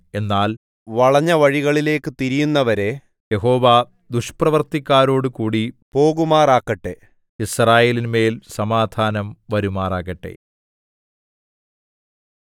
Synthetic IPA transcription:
e̞nːaːl | ʋɐɭɐɲːɐʋɐɻiɣɐɭile̞ːkːɨt̪iɾijunːɐʋɐɾe̞ | jeɦo̞ːʋaː | d̪uʂprɐʋɐrt̪ikʲːaːɾo̞ːɽɨkuːɽipo̞ːɣumaːraːkːɐʈːe | israːjeːlinme̞ːlsɐmaːd̪ʱaːnɐmʋɐɾumaːraːɣɐʈːe̞̰

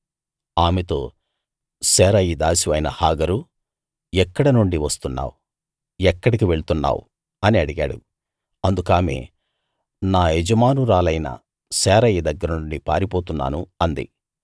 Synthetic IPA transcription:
aːmet̪o̞̰ː | sɛːɾɐjid̪aːsiʋɐjnɐhaːɡɐɾu | ɛkːɐɽɐnuɳɖiʋɐst̪unːa̰ːwu | ɛkːɐɽikiʋe̞ɭut̪unːa̰ːwṵ | ɐniɐɽiɡaːɽṵ | ɐnd̪ukaːme̞̰ː | naːed͡ʒɐmaːnuɾaːlɐjnɐ̰ | sɛːɾɐjid̪ɐɡːɐɾɐnuɳɖipaːɾipo̞ːt̪unːa̰ːnuɐnd̪ḭ

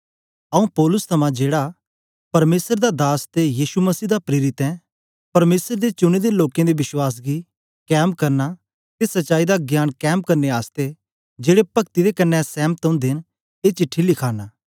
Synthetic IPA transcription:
ɐũpɔːlʊst̪ʰɐmãd͡ʒeːɽa | pɐɾmeːsəɾd̪ad̪aːst̪ejiːʃumɐsiːd̪apɾeːɾɪt̪ɛ̃ | pɐɾmeːsəɾd̪et͡ʃʊɽ̃ed̪eloːkẽd̪ebɪswaːs̬ɡi | kɛːmkɐɾna | t̪esɐtːʃaːid̪aɡjaːnkɛːmkɐɾneaːst̪e | d͡ʒeːɽepɐkt̪id̪ekɐnːɛsɛ̃ːmət̪ʊ̃nd̪en | eːt͡ʃɪʈʰːilɪkʰaːnaː

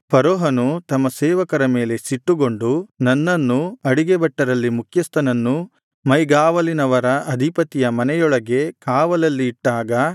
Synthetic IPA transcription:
pɐɾoːɦɐnut̪ɐmːɐsɛːʋɐkɐɾɐme̞ːle̞siʈːuɡo̞ɳɖunɐnːɐnːuɐɽiɡebɐʈːɐɾɐlːimukʰjɐst̪ʰɐnɐnːu | mɐjɡaːʋɐlinɐʋɐɾɐʔɐd̪ʱipɐt̪ijɐmɐnɛjɔɭɐɡe̞kaːʋɐlɐlːiːʈːaːɡɐ

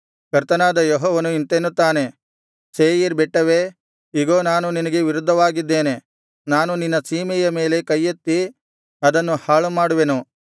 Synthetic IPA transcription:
kɐɾt̪ɐnaːd̪ɐjɔɦɔːʋɐnuint̪enːut̪ːaːne | seːjiɾbɛʈːɐʋe | iɡoːnaːnuninɐɡe̞ʋiɾud̪ʱːɐʋaːɡid̪ːe̞ːne | naːnuninːɐsiːmɛjɐme̞ːle̞kɐjːɐt̪ːi | ɐd̪ɐnːuhaːɭumaːɽuʋe̞nu

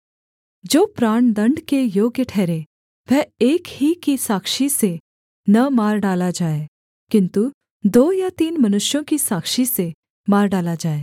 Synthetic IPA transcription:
d͡ʒoːpɾaːɳd̪ɐ̃ɳɖkejoːɡjəʈʰɛːɾe | ʋʱɛeːkhikisaːkʃise | nɐmaːɾɖaːlad͡ʒaːe | kɪ̃nt̪u | d̪oːjat̪iːnmɐnʊʃjõkisaːkʃise | maːɾɖaːlad͡ʒaːeː

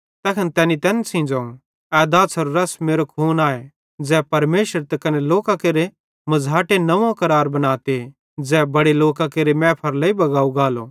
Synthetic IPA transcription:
t̪ɛːkʰɐnt̪ɛːnit̪ɛːnsʰĩːnd͡ʒãũ | ɛːd̪aːsʰɔɾɾɐsmeːɾokʰuːnaːe | d͡zɛːpɐɾmeːʃəɾt̪ɐkɐneloːkakeːɾe | mɐd͡zaːʈenɐʋãkɐɾaːɾbɐnaːt̪e | d͡zɛːbɐɽeloːkakeːɾemɛ̃ːpʰɐɾlɐibɐɡaːuɡaːlo

